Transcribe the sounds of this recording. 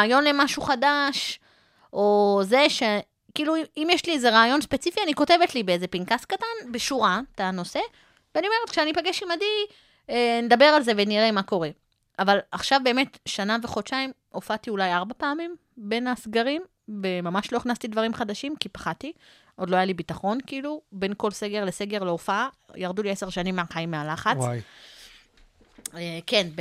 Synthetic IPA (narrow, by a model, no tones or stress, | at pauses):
aːjo̞nle̞maʃuχadaʃ | ʔo̞ze̞ʃe | kiːluiimjeʃliezeʁaːjo̞nspet͡sifianiko̞te̞vetlibeezepinkaskatanbeʃuʁatano̞se̞ | veanioe̞ʁetkʃeanipaɡeʃimadi | ened̪abe̞ʁalze̞ve̞niʁemako̞ʁe̞ | ʔavalaχʃavbe̞ːme̞tʃanaveχo̞t͡ʃaimʔofatiulajaʁbapeːmim | be̞nasɡaʁim | vemamaʃlo̞iχnast̪idvaʁimχad̪aʃimkipḁχat̪i | ʔodloajalibitaχo̞nkiilube̞nko̞lse̞ɡe̞ʁlese̞ɡe̞ʁleofaajaʁduliese̞ʁʃanimːeaχaimːealaχat͡sj | ekenb